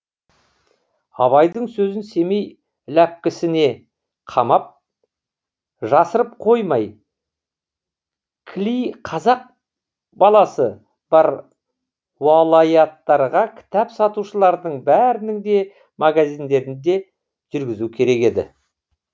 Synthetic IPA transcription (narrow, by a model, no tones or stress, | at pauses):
ɑ̰βɑjd̪əɴsɵzɪnse̞me̞j | læp̚kʲɪsɪne̞ | qʰɑmɑp̚ | ʒɑsəɾəp̚qʰo̞jmɑj | kʲʰlijqʰɑzɑq̚ | bɑlˠɑsə | b̥ɑɾ | wɑlˠɑjɑt̪ːɑɾʁɑkʲʰɪ̥t̪æpsɑt̪uʃəlˠɑɾd̪əɴbæɾɪnɪŋd̪e̞ | mʔaɡazijnd̪e̞ɾɪnd̪e̞ | ʒ̥ʏɾɡʲɪzukʲʰe̞ɾe̞ke̞d̪ɪ̰